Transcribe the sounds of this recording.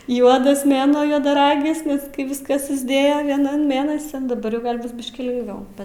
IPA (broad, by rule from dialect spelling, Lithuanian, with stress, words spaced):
ˈjuɔdɐs ˈmʲeːnuɔ juɔdɐˈrɑːɡʲɪs ˈnʲɛs ˈkɐɪ ˈʋʲɪskɐs sʊzʲˈdʲeːjoː ˈʋʲiɛnɐn ˈmʲeːnɐsʲɪn dɐˈbɐr jɛʊ ˈɡɐlʲ ˈbʊs ˈbʲɪʃʲkʲiː lʲɪŋɡˈʋʲɛʊ